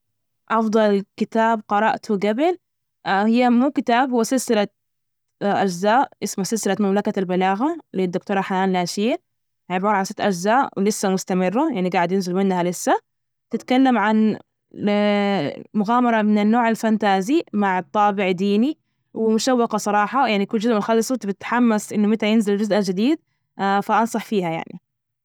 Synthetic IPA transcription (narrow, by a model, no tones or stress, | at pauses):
ʔɑfd̪ˤɑlkɪt̪aːbqɑɾˤɑʔt̪ʰuɡabɪl | hɪjːamuːkɪt̪aːbhʊwasɪlsɪla | ʔad͡ʒzaːʔʔɪsmasɪlsɪlat̪mamlakalbɪlaːɣalid̪ːʊkt̪oːɾˤɑħanaːnlaːʃiː | ʕɪbɑːɾˤʕasɪt̪ʔad͡ʒzaːʔwlɪsːamʊst̪amɪrːajaʕniɡaːʕɪd̪jɪnzɪlmɪnːhalɪsːa | t̪ɪt̪kalːamʕan | mʊɣaːmɑɾˤɑmɪnɪnːoːʕalfant̪aːzimaʕt̪ˤːɑːbɪʕd̪iːni | wɪmʊʃawːɑqɑsˤɑɾˤɑːħɑjaʕnikʊld͡ʒʊzʔmɪlxɑlɪsˤwt̪ɪb̪ɪt̪ħamːasʔɪnːʊmɪt̪ajɪnzɪld͡ʒʊzʔad͡ʒɪd̪iːd̪̚ | faʔɑnsˤɑħfiːhaja̰ʕnḭ